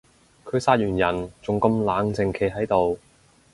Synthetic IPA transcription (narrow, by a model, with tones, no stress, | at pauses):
kʰɵ˨˧ɥsaː˧t̚jyː˨˩njɐ˨˩nt͡sʊ˨ŋkɐ˧mlaː˨˥ŋt͡sɪ˨ŋkʰe˨˥jɦɐ˨˥jt̪o˨w